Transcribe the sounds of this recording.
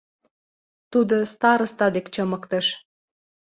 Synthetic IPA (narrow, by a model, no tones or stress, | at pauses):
t̪ud̪ost̪ɑɾəst̪ɑd̪ekt͡ɕəməkt̪əʃ